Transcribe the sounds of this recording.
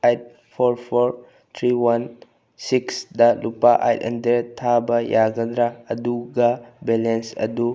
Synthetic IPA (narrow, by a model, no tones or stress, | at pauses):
ajt̚ | pʰoɾpʰoɾ | t̪ʰɾiwan | siksdɐlupaʔa̰jtɐ̰ndeɾtʰabɐjaɡɐdɾaɐ̰duɡɐbelensɐ̰du